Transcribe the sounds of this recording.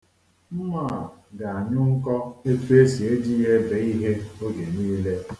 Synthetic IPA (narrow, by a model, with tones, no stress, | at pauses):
m̩˦ma˦˨ɡa˨a˨ɲʊ˦ŋ̩˦kɔ˦e˦tu˦e˦si˨e˦di˦je˦be˨˦i˦ɦe˦o˦ɡe˨niː˦le˦